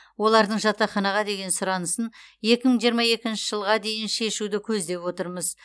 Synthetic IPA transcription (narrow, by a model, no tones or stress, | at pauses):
wo̞lˠɑɾd̪əɴʒɑt̪ːɑχɑnɑʁɑd̪e̞ɡʲe̞nsʊɾɑnəsənje̞kʲɪməɴʒijəɾmɑje̞kʲɪnʃɪʒ̥əlˠʁɑd̪e̞jɪnʃe̞ʃud̪ɪkʲʰɵzd̪e̞pwo̞t̪əɾməz